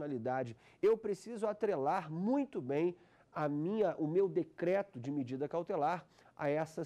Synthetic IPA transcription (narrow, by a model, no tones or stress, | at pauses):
nalid̪ad͡ʒɪ | ewpɾesizʊat̪ɾelaɾmũj̃t̪ʊbẽj̃ | ɐmĩɲɐʔʊmewd̪ekɾɛt̪ʊd͡ʒɪmed͡ʒid̪ɐkawt̪elaɾ | a̰ɛsɐ